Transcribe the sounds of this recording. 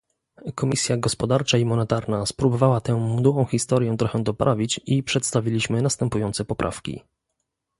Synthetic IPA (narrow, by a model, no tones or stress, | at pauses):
kɔmʲisʲjaɡɔspɔd̪aɾt͡ʂaimɔnɛt̪aɾnaspɾubɔvawat̪ɛw̃mud̪uwɔ̃w̃xʲist̪ɔɾjɛ̃t̪ɾɔxɛ̃d̪ɔpɾʔavʲit͡ɕipʂɛt̪st̪avʲilʲiɕmɘnast̪ɛmpujɔnt̪sɛpɔpɾʔa̰fkʲḭ